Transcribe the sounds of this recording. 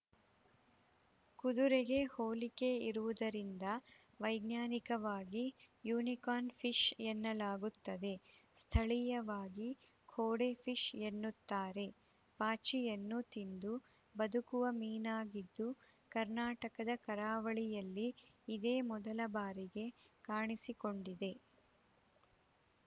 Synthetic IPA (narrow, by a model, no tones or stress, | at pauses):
kud̪uɾeɡe̞hoːlike̞iɾuʋud̪ɐɾind̪ɐ | ʋɐjɡnaːnikɐʋaːɡijuːnikaːnpʰiʃenːɐlaːɡut̪ːɐd̪e̞st̪ʰɐɭijɐʋaːɡi | kʰoːɽepʰiʃenːut̪ːaːɾe̞ | paːt͡ʃijenːut̪ind̪u | bɐd̪ukuʋɐmiːnaːɡid̪ːu | kɐɾnaːʈɐkɐd̪ɐkɐɾaːʋɐɭijɐlːiː | d̪eːmɔd̪ɐlɐbaːɾiɡe̞kaːɳisiko̞ɳɖid̪e̞